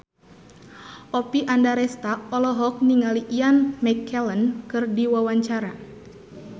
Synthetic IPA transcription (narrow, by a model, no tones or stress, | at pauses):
ʔɔpiʔandaɾɛst̪aɔlɔɦɔk̚niŋaliʔianmɛkʰːɛlənkɨrdiwawaɲt͡ʃaɾa